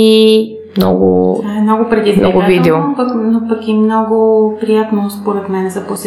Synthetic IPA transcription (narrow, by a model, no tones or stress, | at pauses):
i | mnɔ̰ɡʊ̰aɛmnɔɡʊpɾɛd̪iznɔ̰ɡʊvid̪ɛpɐknopɐkimnɔɡʊpɾijat̪nospoɾɛt̪mɛnɛzɐpos